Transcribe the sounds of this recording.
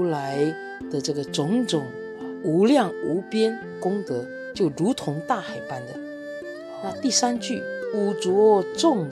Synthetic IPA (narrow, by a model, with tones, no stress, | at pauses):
la˧˥ɪ | d̪̥ə˨ʈ͡ʂɤ˥˩ɡə˩ʈ͡ʂʊ˧˥ŋʈ͡ʂʊ˨˩ŋ | u˧˥ljɑ˥˩ŋu˧˥pjɛ˥n | kʊ˥ŋt̪ɤ˧˥˦ | t͡ɕjo˥˩ʊɻu˧˥t̪ʰʊ˧˥ŋt̪a˥˩xa˨˩ɪpa˥nd̪ə˨ | na˥˧t̪i˥˩sa˥nt͡ɕy˥˩u˨˩t͡swɔ˧˥ʈ͡ʂʊ˥˩ŋ